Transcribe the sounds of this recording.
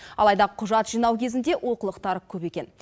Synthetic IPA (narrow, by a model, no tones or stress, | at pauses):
ɑ̰lˠɑjd̪ɑqʰʊʒɑt̪ʒijnɑwkʲʰe̞zɪnd̪e̞ʔwʔo̞qəlˠəqt̪ɑɾəkʲʰɵpe̞kʲe̞n